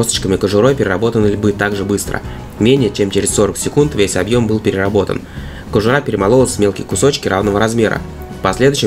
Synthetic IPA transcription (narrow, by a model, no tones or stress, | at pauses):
osət͡ɕkəmʲɪkəʐʊɾo̞jpʲɪɾʲɪrɐbo̞t̪ənəlʲbɨt̪aɡʐɨbɨst̪ɾə̰ | mʲenʲɪjət͡ɕemt͡ɕeɾʲɪsso̞ɾəksʲɪkunt̪vʲesʲɐbjo̞mbɨlˠpʲɪɾʲɪɾɐbo̞t̪ə̰n | kəʐʊɾapʲɪɾʲɪmɐlˠo̞lˠəsʲmʲe̞lˠkʲɪjkʊso̞t͡ɕkʲɪɾavnəvəɾɐzmʲe̞ɾə̰ | pɐsʲlʲe̞d̪ʊɕɪ